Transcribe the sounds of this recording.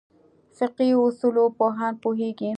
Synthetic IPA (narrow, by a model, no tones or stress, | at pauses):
sɪqiʊsulopoɦanpuɦeɡi